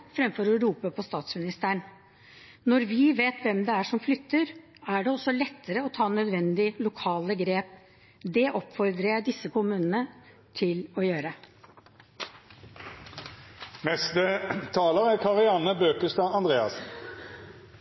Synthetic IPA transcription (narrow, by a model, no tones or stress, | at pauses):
fɾɛmfɔɾɔɾuːpəpʰɔst̪ɑːt̪smɪnɪst̪əɳ | nɔɾʋɪʋeːt̪ʋɛmd̪ɛæʂɔmflʏt̪ːəɾ | æɖɛɔsːɔlɛt̪ːəɾəɔt̪ʰɑːnœd̪ʋɛnd̪ɪlʊkʰɑːləɡɾeːp | d̪ɛʔɔpfɔɾd̪ɾəɖɪsːəkʊmʉːnənə | t̪ʰɪlɔjøːɾə | mɛst̪ət̪ʰɑːləʁækʰɑʁɪɑnəbøːkəst̪ɑːɑnd̪ʁeːɑ̰sn̩